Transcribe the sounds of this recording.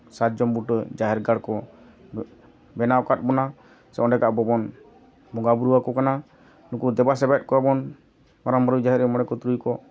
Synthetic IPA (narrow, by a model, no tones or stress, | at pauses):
sat̪̚d͡ʒɔmbuʈd͡ʒaɦɛɾɡaɽkɔ | bɛnawkat̪̚bɔna | sɛʔɔ̃nɖɛkaʔbɔbɔn | bɔŋɡabuɾuwakɔkana | nukud̪ɛbas̬ɛbɛt̪̚kɔɛbɔn | maɾɔmbaɾud͡ʒaɦɛɾɛmɔɽɛkɔt̪ɾujkɔ